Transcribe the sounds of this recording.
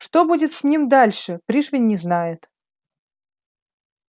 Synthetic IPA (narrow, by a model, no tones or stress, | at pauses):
ʂt̪obudʲɪt̪sʲnʲimd̪alʲʂɨpɾʲiʂvʲɪnʲːɪznajɪt̪